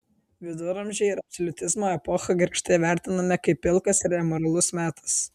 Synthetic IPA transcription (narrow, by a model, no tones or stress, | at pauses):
ʋʲɪd̪ʊɾɐmʲʒʲɛɪɪɾɐpsɔlʲʊt̪ʲɪzmoːɛpɔxɐɡʲɪɾʲkʃt̪ɐʋʲæˑɾʲt̪ʲɪnɐmʲɛkɐɪpʲːɪlˠkɐsɪɾɛmoɾɐlˠʊsmʲæːt̪ɐ̥s